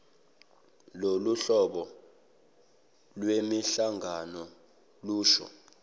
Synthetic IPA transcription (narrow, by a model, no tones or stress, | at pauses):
loluɬɔɓɔ | lwemiɬaŋʱanɔ | luːʃɔ̰